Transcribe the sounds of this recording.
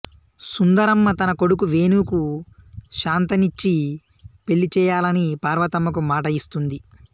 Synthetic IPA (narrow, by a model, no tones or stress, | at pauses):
sund̪ɐɾɐmːɐt̪ɐnɐko̞ɽukuʋeːnuːku | ʃaːnt̪ɐnit͡ʃːi | pe̞ɭːit͡ʃɛːjaːlɐnipaːɾʋɐt̪ɐmːɐk̬umaːʈɐist̪und̪i